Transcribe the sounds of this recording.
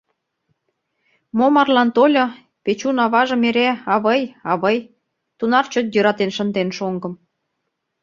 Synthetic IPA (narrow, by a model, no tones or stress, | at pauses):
momɑrlɑnt̪olʲɤ̆ | pet͡ɕunɑβɑʒɤ̆meɾeɑβəjɑβəj | t̪unɑrt͡ɕŏt̪̚jøɾɑt̪enʃə̆nd̪enʃoŋɡɤ̆m